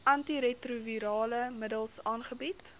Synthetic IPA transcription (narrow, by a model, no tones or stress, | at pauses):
ɐntiɾetruviɾɑːləmədəlˠsɑːnχəbit